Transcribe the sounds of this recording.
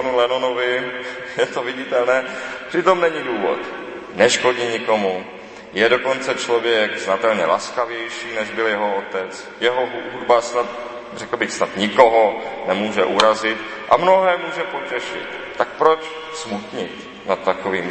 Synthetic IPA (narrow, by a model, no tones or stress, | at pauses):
anulɛnonovɪjɛt̪ovɪɟɪt̪ɛlnɛːpr̥ɪt̪o̞mnɛɲɪduːvo̰t̪ | nɛʃko̞ɟiɲɪko̞mu | jɛdo̞ko̞nt͡sɛt͡ʃlovjɛɡznat̪ɛlɲɛlaskavjɛjʃiːnɛʒbɪljɛɦoot̪ɛt͡s | jɛɦoɦuɦudbasnat̪̚ | rɛkl̩bɪxsnat̪ɲɪkoɦonɛmuːʒɛʔuɾazɪt̪ | ʔamnoɦɛːmuːʒɛpo̞cɛʃɪ̰t̪ | t̪ːak̚pɾot͡ʃ | smut̪ɲɪt̪ | nat̪ːakoviːm